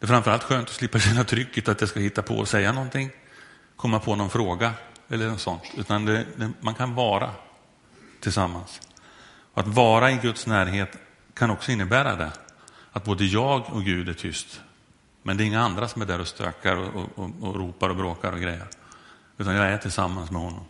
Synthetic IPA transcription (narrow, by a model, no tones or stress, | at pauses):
d̪ɛːfɾamfəɾalt̪ɧøːnt̪ɔ̥slɪpːaɕɛnːat̪ʰɾʏkːət̪at̪̚d̪ɛskahɪt̪ːapʰɔ̰ɔ̰sɛjːanɔnt̪ʰɪŋː | kʰɔmːapʰɔnɔnfɾoːɡaɛlːəɳɔsɔnt̪ʰʉ̟ːt̪and̪ɛd̪ɛmankʰanvɑːɾa̰ | t̪ʰɪlsamːans | ɔa̰t̪vɑːɾaɪɡɵt̪snæːɾɦeːt̪ | kʰanɔksɔɪnːəbæːɾa̰d̪ɛ̰at̪̚boːd̪əjɑːɡɔkɡʉ̟ːd̪æʈʰʏst̪ | mɛnd̪ɛɾɪŋːaand̪ɾasɔmæd̪ɛɾɔst̪ɾø̰ːkʰaɾɔɔ̰ɔːɾuːpaɾɔbɾoːkaɾɔɡɾɛjːə̰ɾ | ʉ̟ːt̪anjɑːɡæʈʰɪlsamːansmɛhɔnːɔm